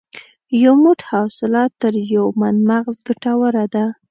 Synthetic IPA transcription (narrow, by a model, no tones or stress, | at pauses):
jawmʊʈhɑwsɪlɑt̪ːəɾjawmanmaɣzɡaʈawəɾad̪a